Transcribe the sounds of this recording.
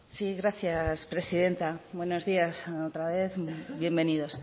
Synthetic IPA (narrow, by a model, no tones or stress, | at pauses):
siɣɾaθjaspɾe̞siðe̞nt̪abwe̞no̞zðiasot̪ɾaβe̞θbje̞mbe̞niðo̞s